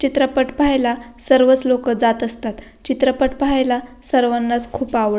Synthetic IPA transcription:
t͡ɕit̪ɾəpəʈpajlasəɾʋət͡slokəd͡zat̪əst̪at̪ | t͡ɕit̪ɾəpəʈpajlasəɾʋanːat͡skʰuːpaʋɭ

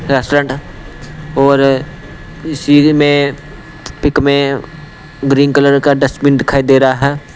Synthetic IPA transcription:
ɾɛːsʈɾẽːɳʈ | ɔːɾ | ɪsimẽ | pɪkmẽ | ɡɾĩːnkələɾkaɖɐsmɪ̃nɖ̪ɪkʰaːid̪eːɾaaɦɛː

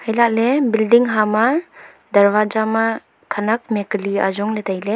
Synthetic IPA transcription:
hajlak̚lebildiŋɦama | dɐɾbad͡ʒama | kʰanak̚meklia̰zɔŋlet̪ʰajle

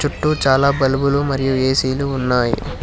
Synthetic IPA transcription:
t͡ʃuʈːut͡ʃaːlaːbɐlubulumɐɾijueːsiːluːnːaːjḭ

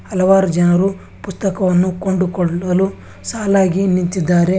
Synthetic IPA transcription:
hɐlɐʋaːɾud͡ʒɐnɐɾu | pust̪ɐkɐʋɐnːukoɳɖukɔɭɐlu | saːlaːɡinint̪id̪ːaːɾe̞

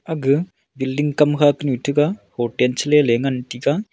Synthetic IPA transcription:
ɐɡɨ | bilɖiŋɡkɐmkʰaːkniʈʰɨɡahoːʈent͡ʃleːleːŋɡɐnʈika

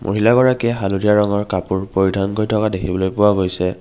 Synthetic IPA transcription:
mʔo̰ɦilaɡɔɹakɛɦaludʱijaɹɔŋɔɹkapʊɹpoɹidʱankojtʰɔkadekʰibɔlojpʊwaɡojsɛ

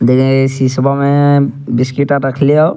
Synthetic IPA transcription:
dekisisɔbamɛbiskitːatakʰilijɔ

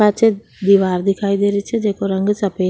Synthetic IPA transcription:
at͡ʃʰe | d̪iʋaːɾd̪ikʰaːjd̪eɾit͡ʃʰed͡ʒeːkoɾɐŋɡɨsɐpeː

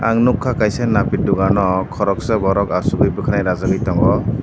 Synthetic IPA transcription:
a̰ŋnukʰːakajsenːapit̚duɡanɔkʰɔɾɔk̚sabɔɾɔkasuɡɯjbɯkʰanajɾazaɡɯjtɔŋɡɔ

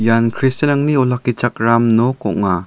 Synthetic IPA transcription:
jankʰɾistenaŋniɔlakːit͡ʃak̚ɾamnɔkɔ̰ŋa

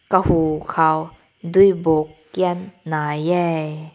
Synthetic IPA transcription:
kəhuːkʰaw | dujbokːiənːajɛ

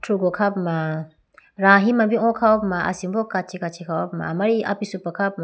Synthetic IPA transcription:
tʰɾuɡɔkʰapma | ɾaɦimabiɔ̃kʰawɔpmaa̰simbɔkat͡ʃʰikat͡ʃʰikʰawɔpma̰maɾia̰pisupakʰap̚ma

